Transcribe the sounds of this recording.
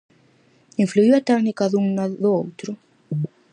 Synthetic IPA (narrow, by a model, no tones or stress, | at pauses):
iɱfluiwat̪ɛknikaðuŋnaðʊowt̪ɾʊ